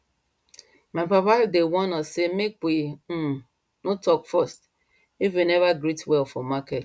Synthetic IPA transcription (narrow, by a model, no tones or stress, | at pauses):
mãmpapadewɔnɔsemek̚wim̩ | notɔkfɔst | ifwinɛvaɡɾitwɛlfɔmaket